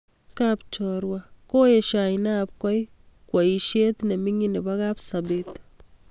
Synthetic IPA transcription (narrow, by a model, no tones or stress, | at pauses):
kapt͡ʃoɾwakojeʃainaːpkwaj | kwaiʃet̪nemiŋinebakapsabet̪